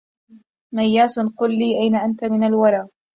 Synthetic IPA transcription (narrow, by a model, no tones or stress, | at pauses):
majːaːsʊnqʊlːiːʔajnaʔant̪amɪnalwɑɾˤɑː